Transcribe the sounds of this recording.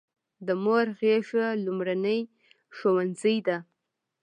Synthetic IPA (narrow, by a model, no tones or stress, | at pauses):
d̪əmoɾɣeʂalʊmɾanəj | ʃowanzəjd̪a